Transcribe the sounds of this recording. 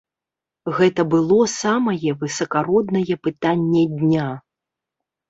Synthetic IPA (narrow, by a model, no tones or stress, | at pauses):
ɣɛt̪ɐbɨlˠɔsamɐjɛvɨsɐkaɾɔd̪nɐjɛpɨt̪anʲːɛd̪ʲnʲa